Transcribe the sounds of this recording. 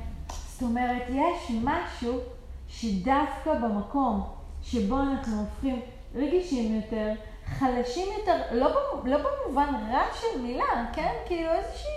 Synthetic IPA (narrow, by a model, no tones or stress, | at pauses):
sto̞me̞ʁetjeʃmaʃu | ʃedavkabemako̞m | ʃe̞bo̞anaχnuofχim | ʁeɡiʃimjo̞te̞ʁ | χalaʃimjo̞te̞ʁlo̞belo̞bemuvanʁaʃelmilake̞nkiiluezeʃi